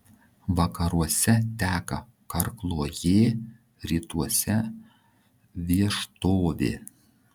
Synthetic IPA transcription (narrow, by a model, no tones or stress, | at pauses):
ʋɐkɐɾuɔsʲɛt̪ʲæːkɐ | kɐɾklˠoːjeː | ɾʲiːt̪uɔsʲɛ | ʋʲiɛʃt̪oːʋʲḛː